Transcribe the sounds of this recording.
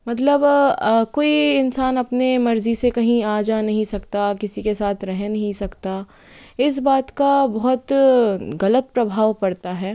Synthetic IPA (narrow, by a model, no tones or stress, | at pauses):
mɐt̪ləbkoːiɪnsaːnɐpnemɐɾzisekɐɦĩaːd͡ʒanɐɦĩsɐkt̪akɪsikesaːt̪ʰɾɛɦɛnɐɦĩsɐkt̪a | ɪs̬baːt̪kabɔɦʊt̪ɣɐlət̪̚pɾɐbʱaːʋpɐɽt̪aɦɛː